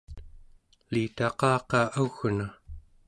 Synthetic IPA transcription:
liːt̪ɑqɑːqɑːʔaɣna

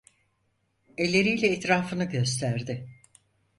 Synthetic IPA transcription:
ɛlʲːe̞ɾijlʲɛːt̪ɾaːfɯnɯɟø̞st̪ʰæɾd̪ɪ

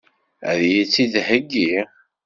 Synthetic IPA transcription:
əðjit͡sːid̪həɡːi

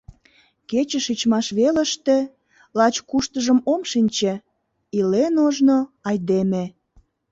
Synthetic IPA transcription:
ket͡ɕəʃit͡ɕmɑʃβelə̆ʃt̪ĕ | lɑt͡ɕkuʃt̪əʒəmomʃinʲt͡ɕĕ | ilenoʒnoɑjd̪eme

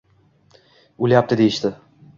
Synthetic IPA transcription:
ulʲjap̚t̪ʰɪd̪ejiʃt̪ʰɪ

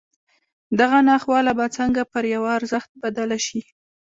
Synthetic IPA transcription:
d̪aɣanɑxwɑlabat͡səŋɡapəɾjawaaɾzəxt̪̚bad̪alaʃi

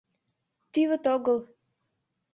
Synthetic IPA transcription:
t̪yβət̪oɣəlˠ

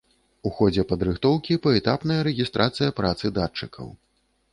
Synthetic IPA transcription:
uxɔd͡zʲɛpɐd̪ɾɨxt̪ɔwkʲipɐɛt̪apnɐjɐɾɛɣʲist̪ɾʔat̪sɨjɐpɾat̪sɨd̪at͡ʂːɨkʰɐ̰w

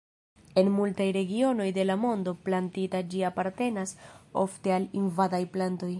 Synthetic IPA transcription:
e̞nmultajɾe̞ɡio̞no̞jde̞lamo̞ndo̞plantitad͡ʒiapaɾte̞naso̞̰fte̞alinvadajplanto̞j

